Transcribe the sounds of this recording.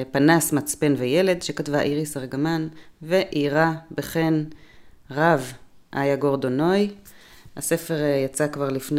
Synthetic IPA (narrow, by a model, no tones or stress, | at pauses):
panasmat͡spe̞nvejele̞dʃekatvaʔiʁisaʁɡamanveʔiʁabeχe̞n | ʁav | ʔajaɡo̞ʁdo̞no̞j | hase̞fe̞ʁjat͡sakvaʁlifn